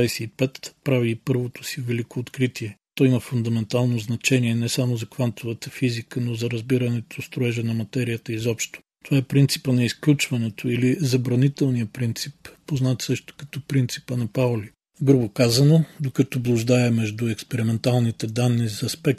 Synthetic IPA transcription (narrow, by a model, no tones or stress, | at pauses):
ajsɛipɛt̪pɾaviːpɤɾvot̪o̥sivɛlikoːt̪kɾit̪iɛt̪ɔimɐfʊnd̪ɐmɛnt̪alˠnoznɐt͡ʃɛniɛnɛsamozɐkvant̪ovət̪əfizikənozɐɾɐzbiɾɐnɛt̪ost̪ɾoɛʒɛnɐmɐt̪ɛɾijət̪əizɔpʃt̪o̥t̪ovaɛpɾint̪si̥pənɐisklʲut͡ʃvɐnɛt̪oilizɐbɾɐnit̪ɛlˠnijəpɾint̪sipːoznat̪sɤʃt̪o̥kɐ̥t̪ɔpɾint̪si̥pənɐpaʊli | ɡɾubokazɐnod̪okɐt̪ɔblˠʊʒd̪aɛmɛʒd̪ʊɛkspɛɾimɛnt̪alˠnit̪ɛd̪anːizɐɐspɛk̚